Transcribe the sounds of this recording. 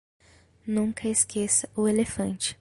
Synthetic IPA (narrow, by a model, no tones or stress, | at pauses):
nũŋkɐeskʰesɐʊelefɐ̃nt͡ʃɪ̥